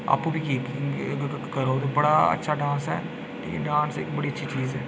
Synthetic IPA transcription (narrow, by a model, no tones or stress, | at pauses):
a̰ːpkobʱikiːk | kɐɾoːd̪obɐɽaɐ̰tːʃʰaɖãːnsɦɛ̰ː | lḭːkḛɖãːnsḛːkbɐɽiətːʃʰit͡ʃiːzɦɛː